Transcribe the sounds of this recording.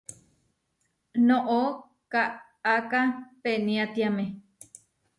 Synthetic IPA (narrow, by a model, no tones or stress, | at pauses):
nõʔo | kaʔ | akapenĩat̪iamẽ